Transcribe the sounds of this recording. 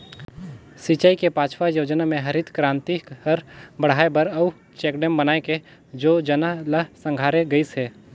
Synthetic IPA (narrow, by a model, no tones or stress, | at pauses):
sit͡ʃaːikepaːt͡ʃʰʋajoːd͡ʒnamẽɦɐɾɪt̪kɾãːnt̪ihɐɾbəɽ̤aːebəɾɐu | t͡ʃɛːkɖɛmbənaːẽked͡ʒoːd͡ʒənaləsə̃ŋɡʱaːɾeɡɐisɦeː